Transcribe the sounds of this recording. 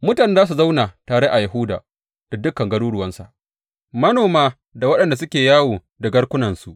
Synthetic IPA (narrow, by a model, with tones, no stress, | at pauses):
mʊ˦taː˨n˦zaː˦s̬u˨za˦wna˨taː˨ɽe˦ʔa˨ja˨ɦʊ˦da̰ː˨ | d̥a˨dʊ˦kːɐ˨ŋɡɐ˦ɽuː˦ɽʊ˦˨wɐ˦nsa̰˨ʔ | mɐ˦noː˨maː˦ | da˨wɐ˦ɗɐ˦˨nda˨sʊ˦kʲeː˨jaː˦woː˨ | dɐ˨ɡɐ˦ɽkʷʊ˦nɐ˨nsu˨ʔ